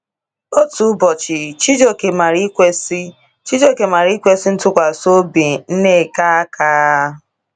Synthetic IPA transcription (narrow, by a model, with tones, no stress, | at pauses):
o˦tu˨˦bɔ˨t͡ʃɪ˨t͡ʃi˦d͡ʒo˨ke˨ma˨ɾi˦kʷe˦si˦ | t͡ʃi˦d͡ʒo˨ke˨ma˨ɾi˦kʷe˦si˦n̩˦tʊ˦kʷa˨so˦bi˨n̩˦ne˦˨ka˦a˦kaː˦